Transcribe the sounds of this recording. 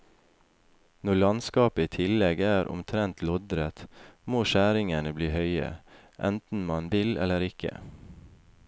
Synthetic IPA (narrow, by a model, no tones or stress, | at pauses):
nɔlɑnskɑːpəiːt̪ʰɪlɛɡæːɾʔʊ̰mt̪ʰɾɛnt̪lɔd̪ɾət̪moːʃæːɾɪŋənəbliːhœʏə̰ | ʔɛ̰nt̪n̩mɑnʋɪlɛ̰ləɾɪkʰə̰